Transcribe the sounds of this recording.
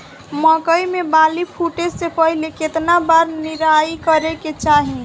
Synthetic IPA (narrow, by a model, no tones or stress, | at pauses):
məkəjmebalipʰuʈed͡ʒsepəɦileket̪nabaɾniɾajkəɾeket͡ʃaɦi